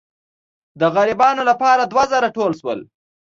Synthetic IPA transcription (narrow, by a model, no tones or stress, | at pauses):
d̪əɣaɾɪbɑnolapɑɾad̪wazaɾaʈolʃwə̰l